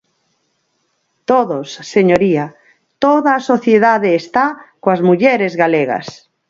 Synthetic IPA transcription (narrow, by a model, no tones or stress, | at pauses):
t̪oðosːeɲoɾia | t̪oðaːsoθjeðaðeːst̪akoazmuʎeɾezɣaleɣa̰s